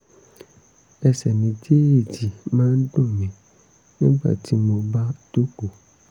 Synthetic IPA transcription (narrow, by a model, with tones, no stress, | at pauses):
ɛ˧sɛ˨nĩ˨˦d͡ʒe˦e˦˨d͡ʒi˨mãː˦n̩˦dũ˦˨mĩ˨˦ | nĩ˦ɡ͡ba̰˦˨ti˨˦mo˧ba˦to˦ko˨